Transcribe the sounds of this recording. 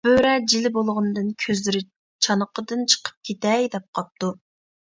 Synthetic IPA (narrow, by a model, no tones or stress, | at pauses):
b̥øɾɛd͡ʒilɪbolˠʁʊnɨd̪ɨnkʲʰøzlɪɾɪ | t͡ʃʰɑnəqʰəd̪ɨnt͡ʃʰə̥qʰə̥p̚kʲʰet̪ɛjd̪ɛp̚qʰɑp̚t̪u